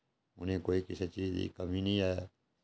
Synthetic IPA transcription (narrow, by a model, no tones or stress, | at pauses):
ʊ̰nẽːkoːiːkɪset͡ʃiːzḭkəmiːnĩːɦɛː